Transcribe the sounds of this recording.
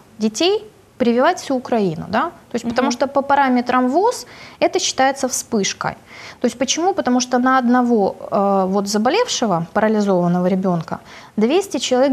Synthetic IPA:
dʲɪtʲej | pɾʲɪvʲɪvatʲfsʲuːkɾɐinʊ̰d̪at̪o̞ɪsʲpət̪ɐmuʂt̪opəpɐɾamʲɪt̪ɾəmvosɛt̪əɕːɪ̥t̪ajɪt̪səfspɨʂkə̰j | t̪oɪsʲtʲpət͡ɕɪmupət̪ɐmuʂt̪onəɐd̪nɐvo̞əvo̞t̪zəbɐlʲe̞fʂɨvəpəɾəlʲɪzo̞vənːəvəɾʲɪbʲo̞nkə̰d̪vʲesʲtʲɪt͡ɕɪlˠɐvʲe

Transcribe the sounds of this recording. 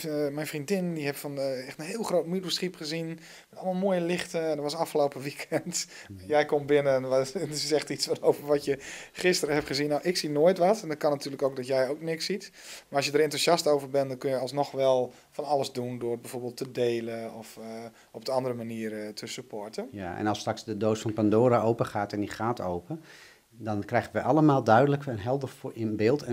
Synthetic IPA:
mɛjnfrindɪndihɛpfɔnɛxtənɦɪːlˠxroːt̚midusχipχəzin | mɛtɔlˠmalˠmoəjəlɪxtəndəʋɔsɑfxəlowpəʋikʰɛnt | jɛjkombɪnə | sɛxtit͡sfɔnowvərʋɔtjəχɪstərəhɛpχəzinːowʔɪksinoəjtʋɔtɛndɔtkɔnatʰyːələkowk̚dɔtjɛjoːknɪksit | maɔsjədəɾentusɑstowvərbɛndɔnkønjəɑlˠsnɔxʋɛlˠ | fɔnɑləzdundʊːrbɛjvoːɹbeːlˠtʰədeːləɔf | ɔp̚dəɑndərəmaniərətʰəsypʰotənjaɛ̰nɑlˠstraksdədoːsfɔnpandoːɾaʔowpəχaːtɛndiχaːtowpə | dɔnkrɛjɣənʋəʔɑləmaːlˠdœɥdələkənɦɛlˠdəfbɪːlˠtʰə

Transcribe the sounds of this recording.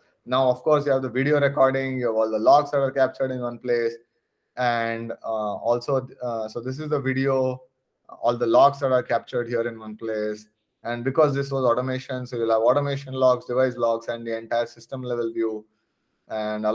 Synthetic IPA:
naʊʌfkoːɾsjuhæʋd̪əʋiɖioːɾekɔːɾɖɪ̃ŋjuːæʋɔːld̪əlɔːksd̪æʈaːɾkæp̚t͡ʃəɾɖɪ̃nʋʌ̃npleːs | ɛɳɖɔːlsoːsoːd̪ɪs̬ɪzd̪əʋiɖioː | ɔːld̪əlɔːksd̪æʈaːɾkæp̚t͡ʃəɾɖhiəɾɪ̃nʋʌ̃npleːs | æ̃ɳɖbɪkɔːzd̪ɪs̬ʋɔːzɔːʈəmeːʃə̃nsoːjulɦæʋɔːʈomeːʃə̃nlɔːksɖɪʋaɪslɔːksɛ̃ɳɖd̪iɛ̃ɳʈaɪəɾsɪsʈə̃mlɛʋəlʋjuː | æ̃ɳɖ

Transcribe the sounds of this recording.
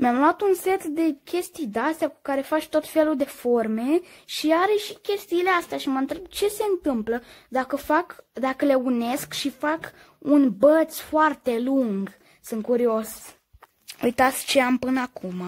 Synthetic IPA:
meamlwat̪unset̪ld̪e̞kʲe̞st̪ijd̪east̪eaku̥kaɾe̞fat͡ʃt̪o̞t̪fe̞luld̪e̞fo̞rme̞ʃiaɾe̞ʃikʲe̞st̪iːleast̪eaʃimənt̪ɾeb̚t͡ʃe̞se̞ɨnt̪ɨmpləd̪akəfakd̪akəle̞une̞skʃifak | unbət̪sfoart̪e̞luŋɡ | sɨŋkuɾio̞s | ujt̪at̪sʲt͡ʃeampɨnəakuma

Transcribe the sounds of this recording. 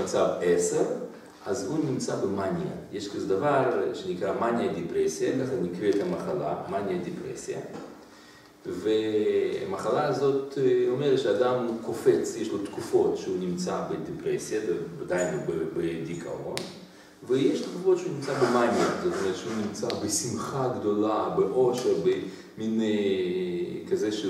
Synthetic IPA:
at͡sabeseʁ | azhunʲimt͡sabemanja̰jeʃkazed̪avaʁʃenikʁamanjad̪ipʁesijakaχazmikʁeːt̪amaχala̰manjad̪ipʁḛsija̰ | vḛmaχalaːzo̞t̪omeʁet̪ʃead̪amkofet͡sjeʃlot̪kufo̞t̪ʃeɦunʲimt͡sabed̪epʁesjadead̪ajinobebed̪ikʰa̰on | vejeʃt̪kufot̪ʃeunimt͡sabemajmet̪ot̪omeet̪ʃeɦunʲimt͡sabesimχaɡd̪olabeʔoʃeɾbe | mine | kazeʃe

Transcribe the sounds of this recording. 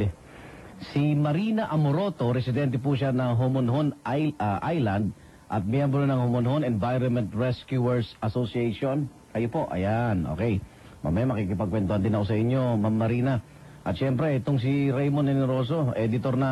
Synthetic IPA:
simɐɾinɐʔɐmoɾo̞t̪o̞ɾɛsɪd̪ɛnt̪̬ɛp̬uʃanɐŋɦomonɦonʔajlɐnd̪̚ | ʔɐt̪̚mjɛmbɾonɐŋhomonɦonɛnvajɾonmɛnt̪ɹɛskjuɛɹsɐsosiɛjʃo̞n | kɐjopo̞ʔɐ̰janʔo̰kɛj | mɐ̰mɐjamɐkikɪpɐɡ̚kwɛnt̪ohɐnd̪ɪnɐkosɐʔɪɲːo̞mamːɐɾiːnɐ | ʔɐt̪̚ʃɛmpɾɛɛt̪oŋs̬ɪɾɛjmonːɛnɛɾo̞ːs̬o̞ʔɛd̪ɪt̪o̞ɾnɐ

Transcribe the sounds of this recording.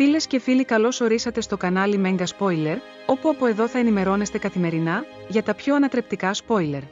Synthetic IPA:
file̞sce̞filikɐlo̞so̞ɾisɐt̪e̞st̪o̞kɐnɐlime̞ŋɡɐspo̞jle̞ɾ | o̞puɐpoe̞ðo̞θɐenime̞ɾo̞ne̞st̪e̞kɐθime̞ɾinɐ | ʝɐt̪ɐpço̞ɐnɐt̪ɾe̞p̚t̪ikɐspo̞jle̞ɾ

